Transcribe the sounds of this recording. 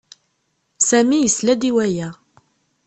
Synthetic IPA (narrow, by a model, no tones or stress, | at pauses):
sæmijəslæd̪iwæjæ